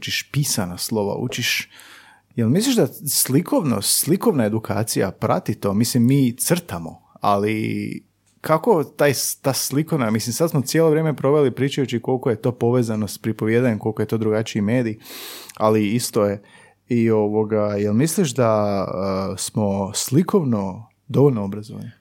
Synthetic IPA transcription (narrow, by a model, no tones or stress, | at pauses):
t͡ʃiʃpisanaslˠo̞ʋa̰ṵt͡ʃiʃ | jelmisliʒd̪aslikʰo̞ʋno̰slikoʋnae̞d̪ukʰa̰ːt̪sija̰pɾa̰t̪it̪o̞mislimːiːt̪sr̩t̪amo̞̰ | a̰li | kʰako̞t̪aːjt̪aːsliko̞ʋnamislimsad̪smot̪sʲjelo̞ʋɾjeːmepɾo̞ʋe̞lipɾiːt͡ʃajut͡ʃiko̞lˠko̞je̞t̪o̞ːpo̞ʋe̞ːzanospɾipoʋje̞ːd̪aɲemko̞lˠkoet̪o̞d̪ɾuɡat͡ʃiime̞ːd̪ijaliist̪o̞je | io̞ʋo̞ɡajelmisliʃd̪aəsmo̞slikʰo̞ʋno̞ | d̪o̞ʋoʎʲnoobɾazoʋa̰ni